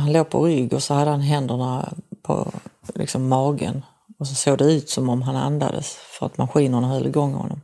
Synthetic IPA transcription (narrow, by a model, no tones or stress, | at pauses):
hanloːpʰɔ̰ɾʏɡːɔsɔhad̪ːəhanɦɛnd̪əɳapʰɔ̰lɪ̰ksɔmːɑːɡə̰n | ɔsɔsoːɡd̪ɛʉ̟ːt̪sɔmɔmɦana̰nd̪a̰d̪əsfœɾa̰t̪maɧiːnəɳaɦœlːɪɡɔŋːhɔ̰nːɔm